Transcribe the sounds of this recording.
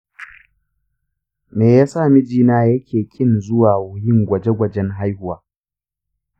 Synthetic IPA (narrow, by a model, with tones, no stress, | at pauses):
meː˨jaː˦saː˦˨mɪ˦d͡ʒiː˦naː˦jɐ˦kʲʰeː˨kʲʰɪ˦nzʊ˦waː˨woː˦hɪ˦ŋɡʷɐ˨d͡ʒe˦ɡʷɐ˨d͡ʒɛ˦ŋɦa˦jhʊ˦waː˨